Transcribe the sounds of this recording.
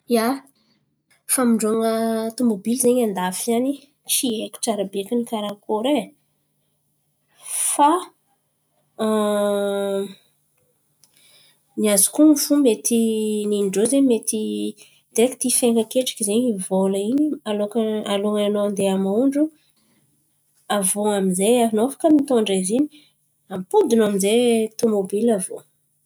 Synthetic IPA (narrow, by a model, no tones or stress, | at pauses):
ja | famiɳɖ͡ʐoŋət̪umobilzeɲand̪afiani | t͡ʃieki̥ʈ͡ʂaɾabekʲinikaɾakoɾe | fa | niazi̥kunifumet̪ininɖ͡ʐozemet̪i | d̪̥eki̥t̪ifeŋɡəkeʈ͡ʂḁkizeɲivoləinialokaloŋaanond̪eamauɳɖ͡ʐu | avoaminzejaɦinofḁkəmit̪oɳɖ͡ʐavini̥ | ampud̪unamizet̪omobilavo